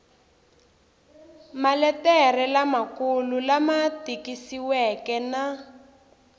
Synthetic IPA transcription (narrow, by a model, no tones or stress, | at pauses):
malɛtɛrɛlamakululamatikisiwɛkɛna